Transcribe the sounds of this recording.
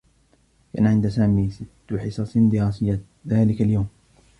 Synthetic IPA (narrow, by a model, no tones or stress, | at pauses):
ka̰ːnaʕɪnd̪saːmiːsɪt̪ːʊħɪsˤɑsnd̪ɪɾɑːsɪjːa | ðaːlɪkaljawm